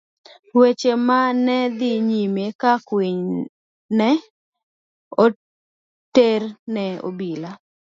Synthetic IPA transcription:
wet͡ʃemanɛd̪iɲimekakwiɲ | nɛ | o | ternɛo̰bila

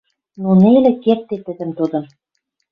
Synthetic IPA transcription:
nonelĕkert̪ːet̪ɘ̆d̪ɘ̆mt̪ud̪ɤ̆m

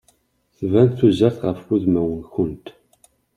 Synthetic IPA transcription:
θvænθuzæθʁəfuðmæwənçʊnt̪

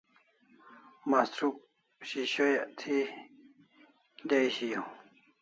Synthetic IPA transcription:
mast̪ɾuk̚ | ɕiɕojat̪ʰi | d̪ajɕijo

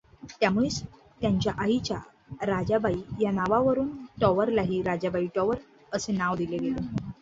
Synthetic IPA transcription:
t̪jamuɭes | t̪jaɲt͡ɕjaʔaɦit͡ɕja | ɾad͡ʑabaijanaʋaʋəɾuːnʈɔʋəɾlaɦiːɾad͡ʑabaiʈɔʋəɾ | əsenaʋd̪ileɡelo

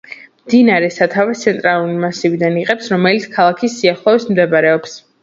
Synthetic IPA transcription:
md̪inaɾɛsat̪ʰavat̪sʰɛnt̪ʼɾalˠuɾimasivid̪aniqʼɛpsɾɔmɛlit̪skʰalˠakʰisːiaχlˠɔvismd̪ɛbaɾɛɔps

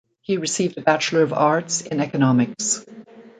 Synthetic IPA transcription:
hiɹɨsivdɨbæt͡ʃl̩ˠə˞ʌvɑɹtsɪ̃nɛkɨnɑmɨks

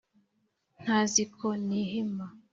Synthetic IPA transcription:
n̥azikʰɔniɦima

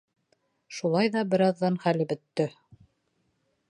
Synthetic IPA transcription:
ʃulˠɑjðɑbɘ̆ɾɑðːɑnχælɘbɘ̆t̪ːɵ

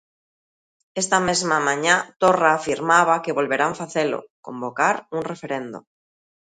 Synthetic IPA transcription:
e̞st̪ame̞zmamãɲat̪o̞raːfiɾmaβ̞ake̞βo̞lβe̞ɾaɱfaθelo̞̰ko̞̰mbo̞kaɾunre̞fe̞ɾe̞nd̪ṵ

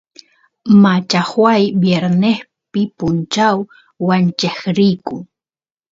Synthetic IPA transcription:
mat͡ʃahwajbjeɾneχ | pɪpʊnt͡ʃawː | ant͡ʃeχɾɪjkʊ

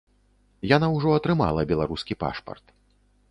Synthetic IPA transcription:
janawʐɔɐt̪ɾɨma̰lˠɐbʲɛlˠaɾuskʲipa̰ʂpɐ̰rt̪

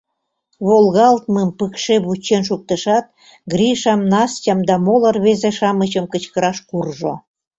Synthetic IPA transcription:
βolɣɑlt̪̚məmpəkʃeβut͡ɕːenʃ̬uk̚t̪ə̆ʃɑt̪̚ | ɡɾiʃɑmnɑstʲɑmd̪ɑmolə̆rβezeʃɑmət͡ɕəmkət͡ɕkəɾɑʃkurʒo̰

